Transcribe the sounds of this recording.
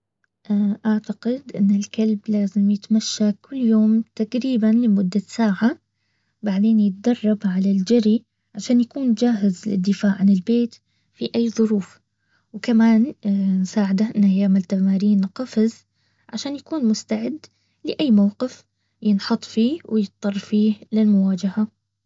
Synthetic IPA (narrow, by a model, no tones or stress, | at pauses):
ʔaʔaʕt̪aqɪd̪ʔɪ̰nːɪlkalblaːzɪmjɪt̪maʃːakʊlːjoːmt̪aqɾiːbanlɪmʊd̪ːasaːʕa | baʕd̪eːnjɪt̪̚d̪ɑrˤːɑbʕalald͡ʒaɾi | ʕaʃaːnjakuːnd͡ʒaːɦɪzlɪ̰d̪ːɪfaːʕʕanɪlbeːt̪ | fiʔajːðˤʊɾuːf | wkamaːnnsaːʕɪd̪aʔɪnːʔajaːmɪlt̪amaːɾiːnqɑfɪz | ʕaʃaːnjakuːnmʊst̪aʕɪd̪ː | lɪʔajːmawqɪf | jɪnħɑt̪ˤfiːwɪjɨt̪̚t̪ˤːɑrˤːfiːhlɪlmʊwaːd͡ʒaha